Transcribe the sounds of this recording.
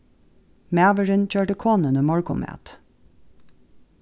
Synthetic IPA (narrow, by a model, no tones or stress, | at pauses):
mæːʋəɹənc͡çøːʈəkʰoːnənəmɔɹkʊmæ̰ːt̪